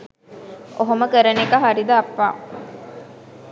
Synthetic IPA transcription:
ʔoɦoməkəɾenekɐɦaɾid̪ɐːpːa̰ː

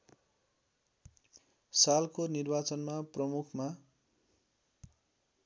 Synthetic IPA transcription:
salkonirbat͡sʌnmaprʌmukʰma

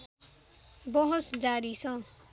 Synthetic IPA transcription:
bʌɦosd͡zaɾisʰʌ̃

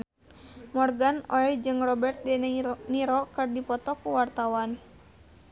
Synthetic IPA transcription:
mɔrɡanɔɛjd͡ʒɨŋrɔbɛrt̪̚dɛniɾɔkɨrdipɔt̪ɔkuwart̪awan

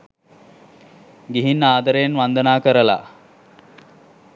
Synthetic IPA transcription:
ɡiɦinːaːd̪əɾəjenʋand̪ənaːkəɾəla̰

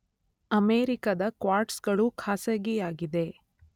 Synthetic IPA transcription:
ɐmeːɾikɐd̪ɐkʋaːɾʈsɡɐɭukʰaːsɐɡijaːɡid̪e̞

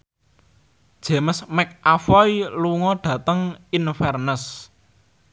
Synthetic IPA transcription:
d̥ʒ̥e̤məsmɛk̚ʔafɔjluŋɔɖ̥ä̤t̪əŋinfɛrnəs

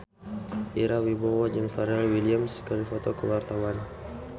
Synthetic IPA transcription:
ʔiɾawibɔwad͡ʒanfaɾɛlwiliamskɔlifɔt̪ɔkəwart̪awan

